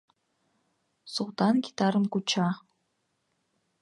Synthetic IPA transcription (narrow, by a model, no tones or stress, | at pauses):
sult̪ʰanɡʲit̪ʰaɾɨmɡut͡ʃʰaː